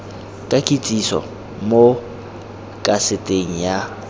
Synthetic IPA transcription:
kʼakʼit͡sʼisɔ̰ | mo | kʼasɪtʼeŋ̩ja

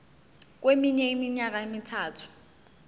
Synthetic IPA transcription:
k̬wemiɲɛimiɲak̬aemitʰaːtʰu̥

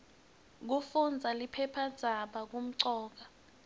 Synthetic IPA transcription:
k̬ufund͡zʱalipʰɛpʰad̥d͡z̥ʱaɓak̬um̩ǀɔːk̬a

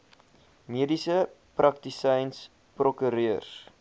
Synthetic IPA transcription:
miədisə | prʔɐk̚tisɛjns | prokyɾiər

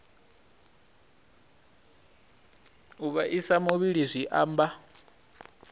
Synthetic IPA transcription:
uβaʔisamuβiɺizʷiʔaːmba

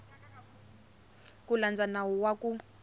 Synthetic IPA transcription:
kuland͡zanawɔwaku

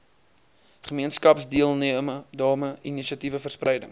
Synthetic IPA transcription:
χəmiənskɐpsdiəlˠniəmədɑːməʔiniʃiɐtivəfərsprɛjdəŋ

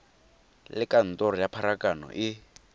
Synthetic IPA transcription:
lɪkan̩tɔɾɔjapʰaɾakanɔ̰ʔɪ

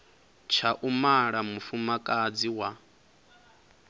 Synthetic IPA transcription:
t͡ʃʰaʔumaɺamufumakʼad͡ziwa

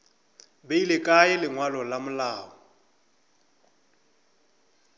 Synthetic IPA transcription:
beilɪkʼaɪlɪŋwalɔlamʊlaːɔ

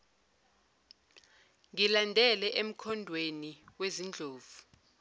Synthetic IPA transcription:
ŋilandʱɛlɛʔem̩kʰɔndʱweniwezind͡ɮʱoːvu

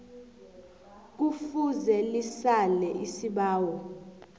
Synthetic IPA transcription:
k̬ufuzelisalɛʔisiɓaːwɔ

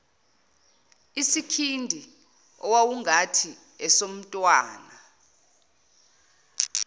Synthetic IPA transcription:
isikʰindʱi | ɔwawuŋʱatʰi | ɛsom̩tʼwaːna

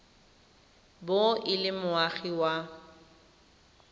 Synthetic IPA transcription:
boʔɪlɪmʊaɣiwa

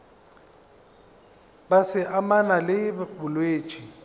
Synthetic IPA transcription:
basɪʔamanalɪbʊlweːt͡ʃʼi

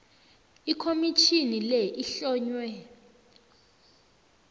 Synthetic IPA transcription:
ikʰomit͡ʃʰinilɛʔiɬɔːɲwɛ

